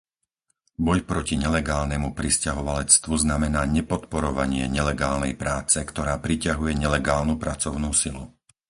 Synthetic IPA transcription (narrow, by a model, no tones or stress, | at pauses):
bɔjpɾɔciɲɛlɛɡaːlnɛmupɾiscaɦɔʋalɛt͡st̪ʋuznamɛnaːɲɛpɔt̪pɔɾɔʋa̰ɲɪɛɲɛlɛɡaːlnɛjpɾaːt͡sɛkt̪ɔɾaːpɾicaɦujɛɲɛlɛɡaːlnupɾat͡sɔʊnuːsilu